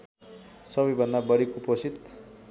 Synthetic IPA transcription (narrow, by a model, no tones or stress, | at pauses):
sʌbʌjbʱʌnd̪abʌɽikoposit̪